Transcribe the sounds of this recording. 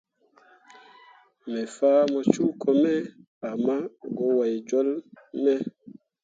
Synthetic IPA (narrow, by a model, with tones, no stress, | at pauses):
mɛ˨faː˦mɔ˨t͡ʃu˦kʰɔ˦mɛ˦ | a˨ma˦ɡo˨˦wa˨jd͡ʒɔ˦lmɛ˦